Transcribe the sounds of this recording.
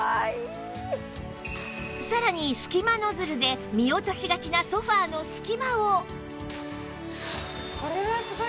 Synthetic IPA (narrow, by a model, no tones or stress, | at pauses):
ai | saɾaɲ̟isɨ̥kʲimano̞zɨɾɯ̟d̪e̞mʲio̞t̪o̞ɕiɡat͡ɕinaso̞ɸaːno̞sɨ̥kʲimao | koɾeβas